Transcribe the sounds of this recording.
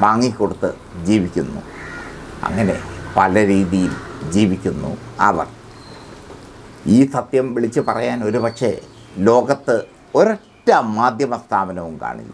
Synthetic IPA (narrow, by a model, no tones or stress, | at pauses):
ʋaːŋːikːo̞ɽut̪ːɨ | d͡ʑiːʋikʲːunːṵ | ɐ̰ŋːɐne̞̰pɐlɐɾiːðijild͡ʑiːʋikʲːunːṵɐ̰ʋɐ̰r | iːsɐt̪jɐmʋiɭit͡ɕːɨpɐrɐjaːno̞ɾupɐkʂe̞ | lo̞ːɡɐt̪ːɨ | o̞ɾetːɐmːaːd̪ʱjɐmɐst̪ʰaːbɐnɐʋumka̰ːɳḭlːa